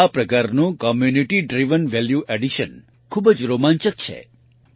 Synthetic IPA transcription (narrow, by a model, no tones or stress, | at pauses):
apɾəkaɾnũkɔmjuniʈiɖɾiʋənʋɛljuʔeɖiʃən | kʰubəd͡ʒɾomãnt͡ʃək̚t͡ʃʰḛ